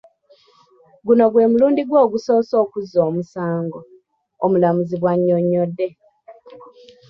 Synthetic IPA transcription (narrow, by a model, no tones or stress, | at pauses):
ɡuno̞ɡwe̞ːmuluːndiɡwoːɡuso̞ːso̞ːkuzo̞ːmusaːŋɡo | omulamuziβwaɲːoɲːodːe̞